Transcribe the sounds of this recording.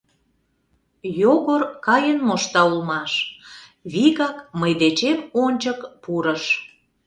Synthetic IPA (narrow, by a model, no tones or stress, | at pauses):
joɣorkɑjənmoʃt̪ɑulmɑʃ | βiɣɑkməjd̪et͡ɕemonʲt͡ɕəkpuɾəʃ